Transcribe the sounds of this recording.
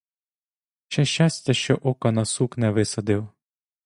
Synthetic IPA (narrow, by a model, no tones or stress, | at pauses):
t͡ʃɛʃʲt͡ʃɑsʲtʲɐʃt͡ʃɔʔɔkɐnɐsuknɛʋɪsɐd̪ɪw